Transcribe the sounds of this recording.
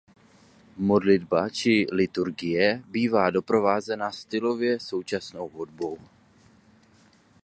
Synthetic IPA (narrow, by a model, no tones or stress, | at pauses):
mo̞dlɪdbat͡ʃɪlɪt̪uɾɡɪjɛbiːvaːdo̞pɾo̞vaːzɛnast̪ɪlo̞vjɛso̞wt͡ʃasno̞wɦudbo̞w